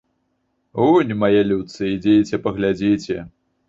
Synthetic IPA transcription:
unʲmajɛlʲut̪sɨid͡zʲet͡sʲɛpɐɣlʲad͡zʲit͡sʲɛ

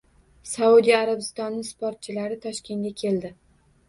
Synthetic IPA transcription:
saud̪ijaɾabɪst̪ɒnːɪŋspoɾt̪̚t͡ʃʰɪlaɾɪt̪ʰɒʃkʲʰe̞nɡʲakʲʰe̞ld̪ɪ

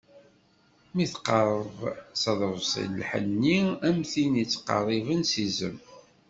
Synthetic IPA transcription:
miθqɑɾˤəðsɑðˤɾvsə̰llħə̰nːiæmθinit͡sːqɑ̰rˤːivənsizə̰m

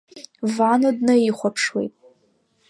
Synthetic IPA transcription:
vanodnɨiχʷapʰʂwḛjtʼ

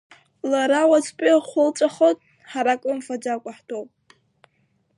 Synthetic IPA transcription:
laɾawat͡sʰʼpʲʼiχʷʊlt͡sʼaχotʼ | ħaɾakʼɨmfad͡ʒakʷʼaħtʰowpʼ

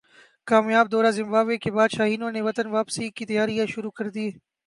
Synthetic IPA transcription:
kaːmjaːbd̪ɔːɾaːzɪ̃mbaːʋekebaːd̪ʃaːɦiːnõːneʋɐt̪ənʋaːpsikit̪ɐjaːɾijãʃʊɾuːkəɾd̪iː

